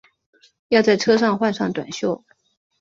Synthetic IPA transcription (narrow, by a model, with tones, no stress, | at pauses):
jɑ˥˧t͡sa˥˩ɪʈ͡ʂʰɤ˥ʂɑ˥˧ŋxwa˥˧nʂɑ˥˩ŋt̪wa̰˨˩nɕjo˥˩ʊ